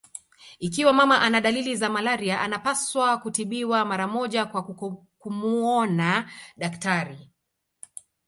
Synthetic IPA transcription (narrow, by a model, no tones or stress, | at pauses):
ik̬iwamamaʔanaɗalilizamalaɾiaʔanapaswakutiɓiwamaɾamɔʄakwa | kumuɔnaɗaktaɾi